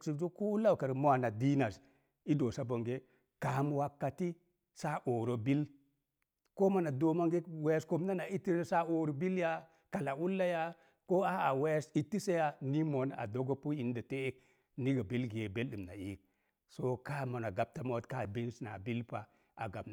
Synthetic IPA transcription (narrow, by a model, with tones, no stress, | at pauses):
t͡ʃi˨d͡ʒo˦ko˦u˦lːa˦wka˨ɾmo˦a˨na˨di˦na˨s | i˦do˨sa˦bo˨ŋɡe˦ | ka˨˦m˦wa˦kːa˨ti˦ | sa˦ʔo˨ɾo˨bi˦l | ko˦ma˨na˨do˨ma˦ŋɡe˦we˦sko˦mna˦na˨i˦ti˦sa˦o˨ɾo˨bi˦lja˦ | ka˨la˨u˦lːa˦ja˦ | ko˦a˦a˨we˦si˨tːi˦se˦ja˦ni˦mo˨˦n˦a̰˨do˦ɡo˦pu˦i˨n˦da˨te˦k̚ | ni˦ɡa˨bi˦lɡe˨be˦lɗi˨mna̰˨ḭ˦k̚ | so˦ka˦mo˨na˨ɡa˨b̚ta˨mo˦tka˦˨bi˦n˦sna̰˨bi˦lpa˨ | a̰˨ɡa˨bn˨